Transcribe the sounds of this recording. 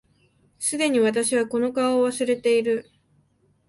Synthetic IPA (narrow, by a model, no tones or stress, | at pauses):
sɨd̪e̞ɲ̟iβat̪̬aɕiβako̞no̞kaoːβasɨɾe̞t̪e̞iɾɯ̟